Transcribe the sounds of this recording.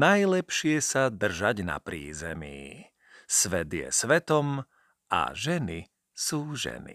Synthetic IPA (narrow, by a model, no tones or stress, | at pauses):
najlɛpʃɪɛsad̪r̩ʒaɟna̰pɾḭːzɛmiː | sʋɛd̪jɛ̰sʋɛt̪ɔm | ʔa̰ʒɛni | suːʒɛ̰nḭ